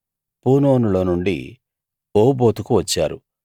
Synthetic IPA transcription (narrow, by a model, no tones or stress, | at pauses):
puːnoːnulo̞ːnuɳɖḭ | oːbo̞ːt̪ukuʋɐt͡ʃːaːɾu